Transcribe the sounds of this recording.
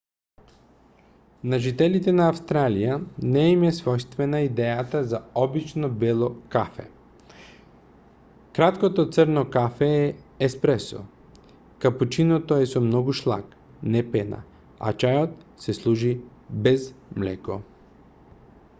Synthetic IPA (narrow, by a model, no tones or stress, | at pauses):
naʒit̪ɛlit̪ɛnaːfst̪ɾalijanɛimɛsvɔjst̪vɛnaid̪ɛjat̪azaɔbit͡ʃnɔbɛlˠokafɛ̰ | kɾat̪kot̪ot̪səɾnokafɛɛɛspɾɛsɔ̰ | kaput͡ʃinot̪oɛsɔmnɔɡuʃlˠa̰k | nɛpɛna̰ | a̰t͡ʃajot̪sɛslˠuʒibɛzmlɛ̰ko